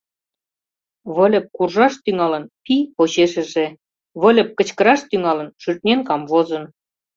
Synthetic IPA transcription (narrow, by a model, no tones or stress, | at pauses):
βə̆lʲə̆p̚kurʒɑʃt̪yŋɑlə̆npipoɕeʃə̆ʒĕ | βə̆lʲə̆p̚kə̆t͡ɕkə̆ɾɑʃt̪yŋɑlə̆nʃyrt̪̚nʲenkɑmvozə̆n